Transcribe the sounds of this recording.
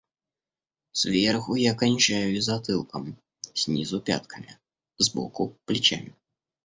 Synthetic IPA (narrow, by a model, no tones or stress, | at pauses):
svʲerxʊjakanʲt͡ʃajʊizat̪ɨlˠkəm | sʲnʲizʊpʲa̰t̪kʰəmʲḭ | zbɔ̰kʊplʲit͡ɕa̰mʲɪ